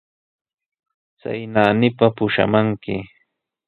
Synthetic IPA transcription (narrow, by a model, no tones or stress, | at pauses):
t͡sa̰jnaːnɪpapʊʃa̰maŋkɪ